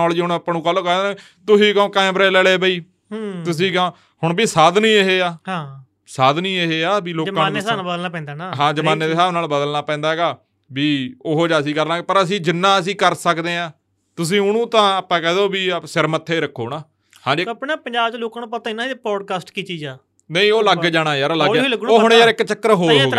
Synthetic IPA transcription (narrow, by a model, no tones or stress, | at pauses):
ɔːld͡ʒiːɦʊɳəpːɳũːkəlːoːkɛːd̪ | t̪ʊsĩːkɛõːkãɛ̃ːbɾeːlɛːleːbəiː | t̪ʊs̬ĩːkõː | hʊɳbiːsaːd̪nĩːeɦeːaːɦã | saːd̪nĩːeɦeːaːbiːloːd͡ʒkãːsabəd̪əlnaːpɛ̃ːnd̪aːnaɦãːd͡ʒəmaːnːeːeːsaːbnaːlbəd̪əlnaːpɛ̃ːnd̪aːɛɡaː | biːoɦoːd͡ʒaːs̬ĩːkəɾnaːɡpəɾəs̬ĩːd͡ʒɪnːãːəs̬ĩːkəɾsəkd̪eːãː | t̪ʊs̬ĩːʊnũːt̪ãːəpːãːkɛːd̪oːbiːsɪɾmət̪ʰːeːɾəkʰːoːnaː | hãːd͡ʒepneːpəɲd͡ʒaːbt͡ʃːloːkãːnũːpət̪aːɪnãːpɔːɖkaːsʈkiːt͡ʃiːd͡ʒaː | nəĩːoːləɡd͡ʒaːɽ̃aːjaːɾləɡləɡoːɦʊɳjaːɾɪkt͡ʃəkːəɾɦoːlɦoːɡ